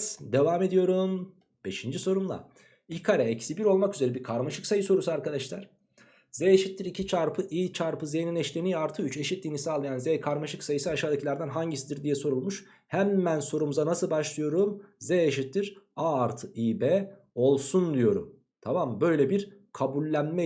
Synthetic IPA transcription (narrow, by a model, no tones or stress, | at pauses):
d̪e̞vaːme̞d̪ijo̞ɾum | b̥e̞ʃind͡ʒiso̞ɾumlˠa̰ | ikʰaɾɛɛcsibiɾo̞lˠmakyze̞ɾɛbiɾkʰaɾmaʃɯksajɯso̞ɾusuaɾkad̪aʃlˠaɾ̥ | z̥ɛeʃit̪ːiɾicʰit͡ʃʰaɾpʰɯʔiːt͡ʃʰaɾpɯzejninɛʃlʲeniaɾt̪ʰɯyt͡ʃe̞ʃit̪̚d̪ʲinisaːlˠːɯjanzɛːkʰaɾmaʃɯksajɯsɯaʃaːd̪acʰlʲˠaɾd̪anɦaɲɟisid̪iɾd̪ijɛso̞ɾulˠmuʃ | hæmːænso̞ɾumuzanasɯlˠbaʃlˠɯjo̞ɾumzɛeʃit̪ːiɾaːɾt̪ʰɯiːbɛː | o̞lˠsund̪ijo̞ɾṵm | t̪ʰamambø̞jlʲɛbiɾkʰabulʲːænmɛ